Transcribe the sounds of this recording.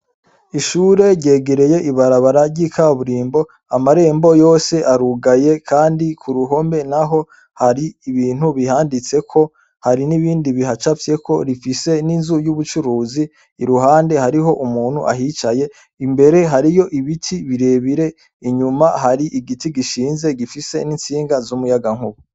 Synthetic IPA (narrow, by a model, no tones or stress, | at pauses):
iʃuɾe̞ɾɟe̞ːɡe̞ɾe̞je̞ʔiβaɾaβaɾaɾɟiːkʰaβuɾiːmbo̞ | amaɾe̞ːmbo̞jo̞ːse̞ʔaɾuɡaje̞kʰaːndikʰuɾuɦo̞mbe̞naɦo̞ | haɾiiβiːn̥huβihaːndit͡se̞kʰo̞ | haɾiniβiːndiβiɦat͡ʃafje̞kʰo̞ɾifise̞ninzujuβut͡ʃuɾuːziː | ɾuɦaːnde̞haɾiɦo̞ʔumuːn̥ṵʔa̰ɦit͡ʃaje̞ | imbe̞ɾe̞ɦaɾijo̞ʔiβitʰiβiɾe̞βiɾe̞ | iɲumahaɾiʔiɡitiɡiʃiːnze̞ɡifise̞nint͡siːŋɡazumujaɡaŋ̥huβu